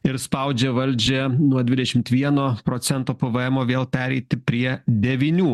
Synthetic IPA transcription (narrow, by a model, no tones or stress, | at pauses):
ɪɾspɐʊd͡ʒʲɛʋɐlʲd͡ʒʲɛnuɔd̪ʲʋʲɪd̪ɛʃʲɪmt̪ʋʲiɛnoːpɾoːt̪sʲɛnt̪oːpɐʋɐɛmoːʋʲeːlˠpʲæːɾʲɛɪt̪ʲɪpʲɾʲiɛd̪ʲɛʋʲinʲuː